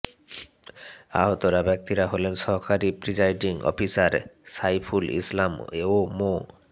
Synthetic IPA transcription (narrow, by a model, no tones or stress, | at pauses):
a̰ɦot̪oɾabɛk̚t̪iɾaɦolenʃɔɦkaɾipɾid͡ʑajɖiŋɔ̰pisaɾsajpʰulḭslameomo